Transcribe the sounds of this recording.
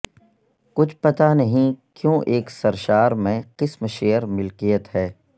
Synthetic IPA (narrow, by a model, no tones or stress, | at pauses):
kʊt͡ʃʰpɐt̪anɐɦĩkjõːʔeːksɐɾʃaːɾmẽqɪsmʃeːəɾmɪlkijət̪ɦɛː